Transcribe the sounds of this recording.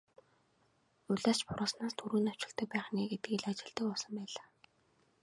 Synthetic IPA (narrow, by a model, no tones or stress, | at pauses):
uɮaːt͡ɕpʊɾʊːsnaːst̪ʰuɾɘ̆ːnɔ̥t͡ɕɪ̆t̪ə̆k̚pæːχniːɡet̪̚ɡĭːɮat͡ɕɪ̆ɮt̪ə̆kɔɮsɞ̆mpæːɮaː